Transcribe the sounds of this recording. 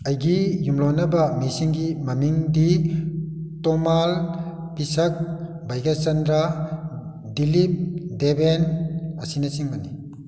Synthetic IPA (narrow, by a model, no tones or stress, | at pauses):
ɐjɡijumlɔnɐbamisiŋɡimɐmiŋdi | tɔmal | pisɐk̚ | bajɡat͡ʃɐndɾa | dilip̚debenɐsinasiŋmɐni